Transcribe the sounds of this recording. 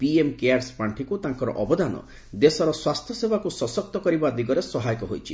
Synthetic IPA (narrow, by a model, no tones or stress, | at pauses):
piemkeaɾspaɳʈʰikut̪ãŋkɔɾɔ̰ʔɔbɔd̪anɔ̰ | d̪esɔɾɔswast̪ʰjɔsebakusɔsɔk̚t̪ɔkɔɾibad̪iɡɔɾesɔɦajɔkɔɦo̰jt͡ʃʰi